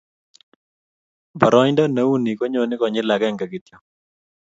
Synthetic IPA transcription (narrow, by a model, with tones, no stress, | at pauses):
ba˨ɾɔ˦ɲndɔ˦na˨˦u˦ni˨ko˦ɲo˨nɪ˦kɔ˨ɲɪ˦la˨kɛ˦˨ŋɡa˨ɡi˨t̪jo˨